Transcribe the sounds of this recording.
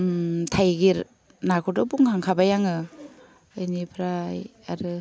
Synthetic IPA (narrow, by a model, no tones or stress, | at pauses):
tʰajɡiɾ | nakʰɔdɯbuŋkʰaŋkʰabajaŋɯ | ajnipʰɾaj | aɾɯ